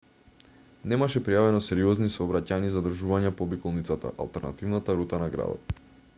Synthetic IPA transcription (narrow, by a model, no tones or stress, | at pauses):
nɛmaʃɛpɾijavɛnɔsɛɾiɔznisɔːbɾacaɲizad̪ɾ̩ʒuvaɲɛpɔbikɔlˠnit̪sat̪a̰ʔa̰lˠt̪ɛɾna̰t̪ivnat̪aɾut̪anaɡɾa̰d̪ɔ̰t̪̚